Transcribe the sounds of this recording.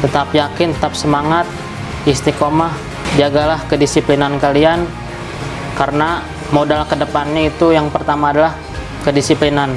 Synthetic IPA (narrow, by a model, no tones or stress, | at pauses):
t̪ət̪apjakɪnt̪ət̪ap̚səmaŋat̪̚ | ist̪ikomah | d͡ʒaɡalahkədisiplinankalian | kaɾəna | modalkədəpanɲait̪ujaŋpərt̪amaːdalah | kədisiplinan